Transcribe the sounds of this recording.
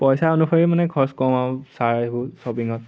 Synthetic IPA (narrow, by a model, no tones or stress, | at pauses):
pɔjsaonupʰɔɹimanɛkʰɔɹskɔmasaɹajbʊsɔpiŋɔt̚